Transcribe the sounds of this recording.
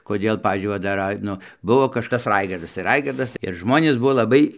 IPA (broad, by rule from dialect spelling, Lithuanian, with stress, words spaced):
koːˈdʲeːlˠ ˈpɑːʋʲiːzʲd͡ʒʲʊɪ ˈʋɐ dɐr ˈrɐɪ ˈnʊ ˈbʊʋoː kɐʃˈkɐs ˈrɐɪɡɐrdɐs ɪr ˈrɐɪɡɐrdɐs ɪr ˈʒmoːnʲeːs ˈbʊʋoː lˠɐˈbɐɪ